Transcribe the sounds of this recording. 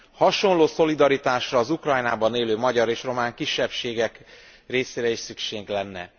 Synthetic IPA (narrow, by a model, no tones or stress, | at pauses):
hɒʃo̞nloːso̞lid̪ɒɾit̪aːʃrɒːzukrɒjnaːbɒneːløːmɒɟɒɾeːʃro̞maːŋkiʃːɛpʃeːɡɛk | reːseːɾɛiʃsykʃeːɡlɛnːɛ̰